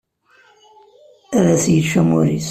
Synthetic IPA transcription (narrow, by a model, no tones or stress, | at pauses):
æðæsjiʃæmuɾis